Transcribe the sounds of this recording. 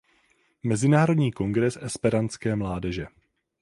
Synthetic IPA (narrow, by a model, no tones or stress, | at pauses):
mɛzɪnaːɾo̞dɲiːko̞ŋɡɾɛsʔɛspɛɾant͡skɛːmlaːdɛʒɛ